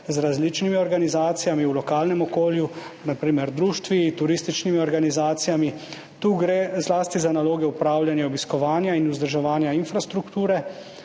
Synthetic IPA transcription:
zɾazlit͡ʃnimiɔɾɡanizaːt̪sijamiulɔkaːlnɛmɔkoːljunapɾiːmɛɾd̪ɾuːʃt̪ʋit̪uɾist̪it͡ʃnimiɔɾɡanizaːt̪sijami | t̪uːɡɾeːzlaːst̪izanaloːɡɛupɾaːwljanjɛɔbiskɔʋaːnjainuzd̪əɾʒɛʋaːnjainfɾast̪ɾukt̪uːɾɛ

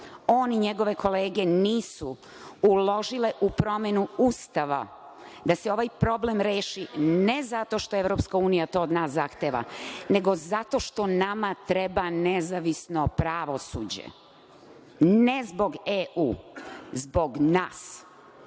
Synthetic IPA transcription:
oːniɲeɡo̞ʋe̞kʰo̞leːɡe̞niːsu | ulo̞ʒile̞ʔupɾo̞menuust̪aʋa̰ | d̪aseo̞ʋajpɾo̞ble̞mɾeːʃinezat̪o̞ʃt̪o̞eʋɾo̞pskauːnijat̪o̞ːod̪naːszaxt̪eːʋa̰ne̞ɡo̞zat̪o̞ʃt̪o̞namat̪ɾebanezaʋisno̞pɾaʋo̞sṵːd͡ʑḛ | nezbo̞ɡeʔuːzbo̞ɡnaːs

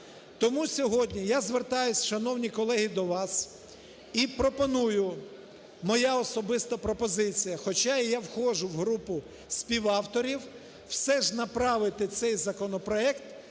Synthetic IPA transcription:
t̪ɔmusʲɔɦɔdʲnʲijazʋert̪ɑjʊsʲʃɐnɔwnʲikɔlˠɛɦid̪ɔʋɑs | ipɾɔpɔnujʊ | mɔjaɔsɔbɪst̪ɐpɾɔpɔzɪt͡sʲijɐxɔt͡ʃajawxɔʒʊwɦɾupʊ | sʲpʲiwɑwt̪ɔɾʲiw | wsɛʒnɐpɾɑʋɪt̪ɪt̪sɛjzɐkɔnɔpɾɔɛkt̪

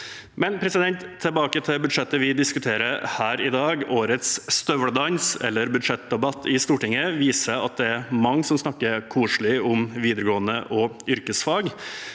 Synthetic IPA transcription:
mɛnpʰɾɛsɪd̪ɛnt̪ʰːəlbɑːkət̪ʰɪbʉd̪ʂɛt̪ːəʋɪd̪ɪskʉt̪ʰeːɾəɾhæːɾɪd̪ɑːɡoːɾət̪sːt̪œʋəɽd̪ɑnsɛ̰lːəɾbʉd̪ʂɛt̪̚d̪ɛbɑt̪ʰːɪst̪uːʈɪŋːəʋiːsəɑ̰t̪̚d̪ɛæɾmɑŋːsɔmsnɑkːəɾkʰuːʂɭɪʊmʋiːd̪əɾəɡoːənəʔɔʏɾkəsfɑːɡ

